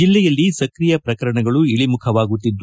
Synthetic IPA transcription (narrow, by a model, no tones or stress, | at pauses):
ilːɛjɐlːisɐkɾijɐpɾɐkɐɾɐɳɐɡɐɭuiɭimukʰɐʋaːɡut̪ːid̪ː